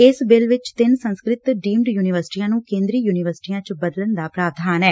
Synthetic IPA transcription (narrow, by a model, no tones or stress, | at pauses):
ɪsbɪlʋɪt͡ʃt̪ɪnsə̃nskɾɪt̪ɖiːmɖjuːnɪʋəɾsʈiːãːnũːkẽːnd̪ɾiːjuːnɪʋəɾsɪ̥ʈiːãːt͡ʃbəd̪ələnd̪aːpɾaːʋd̪ʱaːnɛː